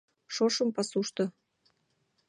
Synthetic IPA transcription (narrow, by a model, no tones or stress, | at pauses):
ʃoʃəmpɑsuʃt̪ɤ̆